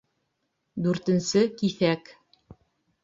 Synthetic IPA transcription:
d̪ʉɾt̪ɘ̆nsɘkiθæk

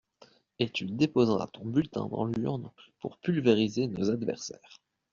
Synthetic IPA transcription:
et̪yd̪epozʁa̰t̪ɔ̃bylt̪ɛ̰̃d̪ɑ̰̃lyʁnpuʁpylveʁizenozad̪vɛ̰ʁsɛ̰ːʁ

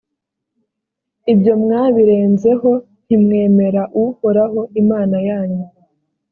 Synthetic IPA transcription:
ibjo̞mŋaːβiɾe̞ːnze̞ɦo̞ | n̥imŋe̞ːme̞ɾaʔuhoɾaɦo̞ʔimaːnajaːɲu

